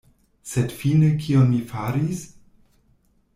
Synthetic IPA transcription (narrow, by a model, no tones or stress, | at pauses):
sedfinekʰionmifaɾis